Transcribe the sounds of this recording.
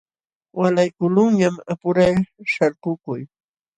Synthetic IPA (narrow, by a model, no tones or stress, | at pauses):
walajkʊlʊŋɲamapʊɾajʃaɾqʊkʊj